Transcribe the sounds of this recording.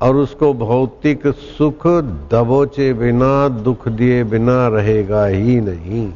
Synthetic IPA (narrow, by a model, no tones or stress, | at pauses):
ɔːɾʊskobʱɐʊt̪ɪksʊkʰd̪ɐboːt͡ʃebɪnad̪ʊkʰd̪iebɪnaɾɐɦeːɡaɦinɐɦĩː